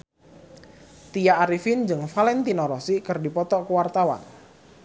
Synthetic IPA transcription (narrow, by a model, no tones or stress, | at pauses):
t̪ijaaɾifind͡ʒɨŋfalɛnt̪inɔɾɔsikɨrdipɔt̪ɔkəwart̪awa̰n